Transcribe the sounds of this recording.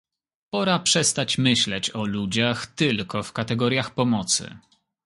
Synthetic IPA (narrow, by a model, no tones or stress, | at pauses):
pɔɾapʂɛst̪at͡ɕmɘɕlɛt͡ɕɔlud͡ʑaxt̪ɘlkɔfkat̪ɛɡɔɾʲjaxpɔmɔt̪sɘ̰